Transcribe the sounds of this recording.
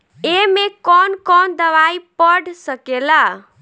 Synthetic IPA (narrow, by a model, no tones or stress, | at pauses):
emẽkɔnkɔnd̪əʋaipəɽʱsəkela